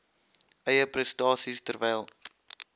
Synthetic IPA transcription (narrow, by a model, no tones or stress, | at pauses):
ʔɛjəprɛstɑːsistərvɛjlˠ